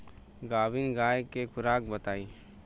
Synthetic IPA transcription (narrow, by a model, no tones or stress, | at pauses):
ɡaːʋɪnɡaːjekekʰʊɾaːkbət̪aːiː